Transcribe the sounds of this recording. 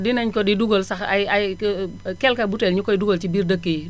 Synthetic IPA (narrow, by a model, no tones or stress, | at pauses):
dinaɲkɔdiduɡolsaka̰ja | kɛlkabutɛlɲukɔiduɡolt͡ʃibiɾdəkːi